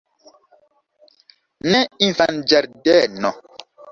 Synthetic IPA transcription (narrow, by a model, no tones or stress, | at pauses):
nɛifand͡ʒɛɾdɛnɔ̃